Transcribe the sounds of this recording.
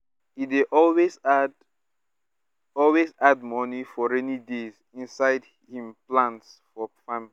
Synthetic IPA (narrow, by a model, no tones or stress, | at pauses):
ideʔɔlwezd | ɔlwezad̚mɔnifɔɹɛnidez | ĩnsaɪd | hĩmplãntsfɔfamli